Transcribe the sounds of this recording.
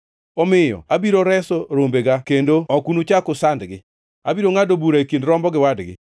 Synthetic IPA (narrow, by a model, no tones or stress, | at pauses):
ɔmɪjɔ̰abiɾoɾɛsɔɾombeɡakendoɔkunut͡ʃakʊsandɡɪ | abiɾoŋadobuɾaekindɾɔmbɔɡɪwadɡɪ̰